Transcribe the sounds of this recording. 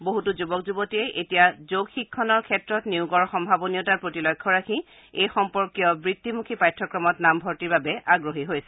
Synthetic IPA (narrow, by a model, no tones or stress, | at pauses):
boɦutuzubɔk̚zubɔtiɛʔetijazoɡxikʰːɔnɔɹkʰɛtɹɔtniuɡɔɹxɔmbʱabɔnijɔtaɹpɹotilɔjkʰːɔɹakʰi | ejxɔmpɔɹkijɔbɹitʰːimukʰipajtʰːɔkɹɔmɔtnambʱɔɹtiɹbabɛaɡɹoɦiɦojsɛ̥